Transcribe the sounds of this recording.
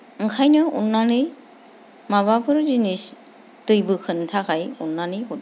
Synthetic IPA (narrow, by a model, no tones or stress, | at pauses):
ɯŋkʰajnɯṵnːanɯj | maβapʰɯɾzinis | tɯjbɯkʰɯntʰakʰajunːanɯɦud